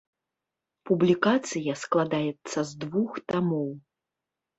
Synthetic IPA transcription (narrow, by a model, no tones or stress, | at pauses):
publʲikat̪sɨjɐsklˠad̪ajɛt̪sːɐzd̪vuxt̪amɔw